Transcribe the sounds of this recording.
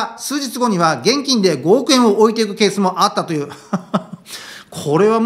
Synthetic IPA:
sɨːʑd͡ʑit͡sɨɡo̞ɲ̟iβaɡẽ̞ŋkʲĩnd̪e̞ɡo̞ːkɯ̟ẽ̞ɰ̃o̞ʔoit̪e̞ikɯ̟ke̞ːsɨmo̞ʔat̪ːat̪o̞jɯ̟ː | kʰo̞ɾe̞βam

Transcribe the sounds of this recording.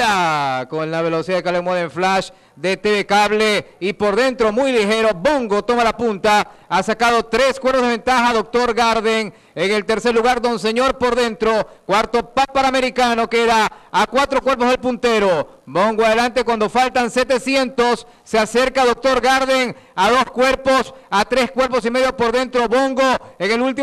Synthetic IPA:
akonlaβ̞e̞lo̞siaðekalemoðeɱflaʃ | d̪et̪eβekaβleipo̞ɾðe̞nt̪ɾomujlixe̞ɾo̞bo̞ŋɡo̞t̪o̞malapunt̪aasakaðo̞t̪ɾe̞skwe̞ɾpozðee̞nt̪axaðok̚t̪o̞ɾɡaɾðeŋ | eŋe̞lt̪e̞ɾseɾluɣaɾd̪ons̬e̞ɲo̞ɾpo̞ɾðe̞nt̪ɾo̞kwaɾt̪o̞pat̪̚paɾame̞ɾikano̞keðaːkwat̪ɾo̞kwe̞ɾp̬o̞zðelpunt̪e̞ɾo | bo̞ŋɡoað̞elant̪e̞kwand̪o̞falt̪anse̞t̪e̞sje̞nt̪o̞sː | ease̞ɾkaðo̞k̚t̪o̞ɾɡaɾðeŋaðo̞skwe̞ɾpo̞sat̪ɾe̞skwe̞ɾpo̞s̬ime̞ðjo̞po̞ɾðe̞nt̪ɾo̞βo̞ŋɡo̞eŋe̞lult̪̬i

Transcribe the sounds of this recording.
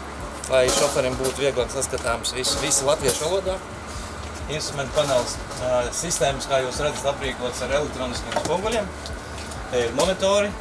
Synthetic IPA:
lˠajʃɔfɛɾimbuːt̪uviɛɡlˠaːksaskat̪aːmsʋisuvisalˠat̪ʋiɛʃʋalˠuɔd̪aː | inst̪ɾument̪̚panɛlˠs | sist̪eːməskaːjuːsɾad̪zət̪apɾiːkuɔt̪saɾelʲˠek̚t̪ɾoːniskejɛmspuɡulʲiɛm | aiɾmɔnit̪ɔːɾi

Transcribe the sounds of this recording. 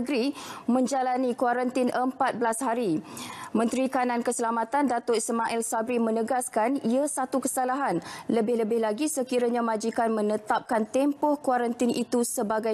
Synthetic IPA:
ɡɾimə̃ɲd͡ʒalanikwaɾant̪inʔəmpat̪̚bəlashaɾimə̃nt̪ɾikanãnkəsəlamat̪andat̪ɔʔismaʔɛlsabɾimə̃nəɡaskaniasat̪ukəsalaɦanləbɪhləbɪhlaɡisəkiɾaɲãmad͡ʒikanmə̃nət̪ap̚kant̪ɛmpɔhkwaɾant̪inʔit̪usəbaɡa

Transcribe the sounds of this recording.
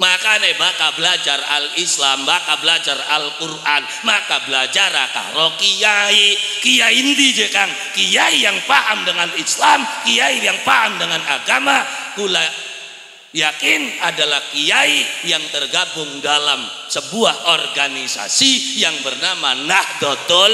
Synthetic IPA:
makanabakabəlad͡ʒaralislambakabəlad͡ʒara̰lkurʔan | makabəlad͡ʒaɾaka̰ɾokijaikijaindid͡ʒɛkan | kijaijaŋpaʔamdəŋanislamkijaijaŋpaɦamdəŋanaɡamakula | jakɪnadalahkijaijaŋt̪ərɡabʊŋdalamsəbuahʔorɡanisa̰sijaŋbərnamanahdot̪ɔ

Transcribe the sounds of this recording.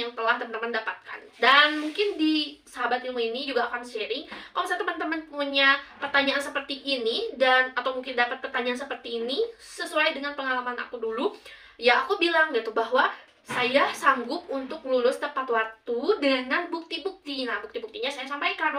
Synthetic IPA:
jaŋt̪əlaht̪əmənt̪əməndapat̪̚ka̰ndanmuŋkɪndisəɦabat̪ilmoinid͡ʒuɡaːkanseɾɪŋkamsat̪əmənt̪əmənpəmuɲapərt̪aɲaʔansəpərt̪iʔːnidanat̪awmuŋkɪndapat̪̚pərt̪aɲaansəpərt̪iːni | səsuajdəŋanpəŋalamana̰kudulu | jaːkubilaŋɡit̪ubaɦwa | sajasaŋɡʊp̚unt̪ʊk̚lulʊst̪əpat̪wart̪udəŋanbuk̚t̪ibuk̚t̪inabuk̚t̪ibukt̪iɲasajasampajkana

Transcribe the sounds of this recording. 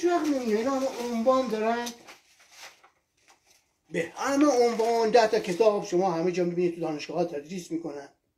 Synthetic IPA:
æxmimkeinɒmomvɑːnd̪ɒɾæn | beæmæomvɒːnd̪æht̪ʰɒkʰet̪ʰɒːbʃomɒːɦæmed͡ʒɒːmibinid̪t̪ud̪ɒːneʃɡɒːhɒːt̪ʰæd̪ɾiːsmiːkonæn

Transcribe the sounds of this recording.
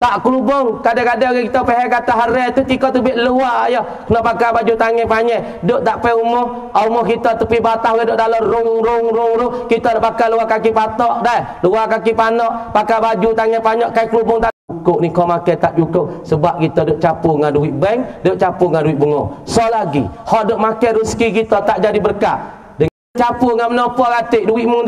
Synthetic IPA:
t̪aʔkəlubʊŋkadɛkadɛɡɛkit̪ɔpɛɦɛkat̪aɦaɾɛt̪ut̪ikɔt̪əbɪʔ̪luwajɔh | kənɔʔpakabad͡ʒut̪aŋɛpaɲɛ | dʊʔt̪aʔpɛumɔh | ɔumɔhkit̪ɔt̪əpibat̪ahɡɛdʊʔd̪alɔɾʊŋɾʊŋɾʊŋɾʊkit̪ɔdaʔpakaluwakakipat̪ɔʔdaɛ | luwakakipanɔʔpakabad͡ʒut̪aŋɛpaɲɔʔkajkɾubʊŋt̪aukʊʔ̚nikɔmakɛt̪aʔd͡ʒukʊʔ̚səbap̚kit̪ɔdʊʔ̚t͡ʃapuŋanduwiʔbɛŋdʊʔt͡ʃapʊŋanduwiʔbəŋɔ̰sɔlaɡḭhɔʔdʊʔmakɛɾuskikit̪ɔt̪aʔd͡ʒadibərka̰ʔ | dəŋat͡ʃapuŋamənɔpɔkat̪ɪʔduwɪʔmu

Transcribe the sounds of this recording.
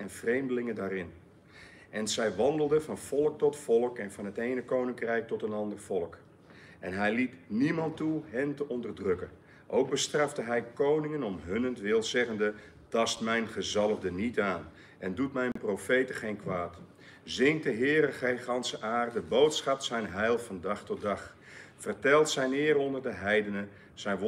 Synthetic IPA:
ɛnvrejmdəlɪŋədaːrɪn | ʔɛnzɛjʋɑndəlˠdəvɑnv̥ɔlˠək̚tɔtfɔlˠəkɛnvɑnɦətejnəkownɪŋkrɛjk̚tɔtənɑndərv̥ɔlˠək | ʔɛnɦɛjlitnimɑntuɦɛntəʔɔndərdrɵkən | ʔowk̚bəstrɑfdəɦɛjkownɪŋənɔmɦønəntʋɪlˠzɛχəndə | tɑstmɛjnχəzɑlˠəvdənitaːn | ʔɛndutmɛjnprowfejtəχejnkʋaːt | zɪŋtdəɦɪːɾəχejχɑnsəʔaːrdəbowtsχɑp̚tsɛjnɦɛjlˠfɑndɑχtɔt̚dɑχ | fərtɛlˠtsɛjnɪːɾɔndərdəɦɛjdənə | sɛjnʋ

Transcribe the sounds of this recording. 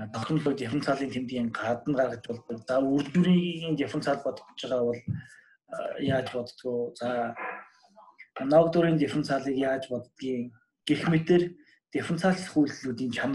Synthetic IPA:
t̪ʰɔkt̪ɞ̆mɮʊːt̪ʲefə̆nt͡sʰaːɮiːnt̪ʰemt̪ɡʲiːŋɢat̪ə̆nɢaɾə̆k̆t͡ɕpɔɮt̪ɞ̆kt͡saur̥t͡ɕuɾiːɣɣiːnt̪efə̆nt͡sʰaːɮpɔt̪ɞ̥̆t̪t͡ɕɪ̆ʁaːpɔɮ | jaːt͡ɕpɔt̪ə̥̆t̪ɡujt͡sa | nɔkt̪ʊɾiːnt̪efə̆nt͡sʰaːɮiːkjaːt͡ɕpɔt̪t̪ɡiːŋ | ɡ̥exmet̪ɘ̆r | t̪ʲefə̆nt͡sʰaːɬχujɮɮuːt̪iːnt͡ɕʰam

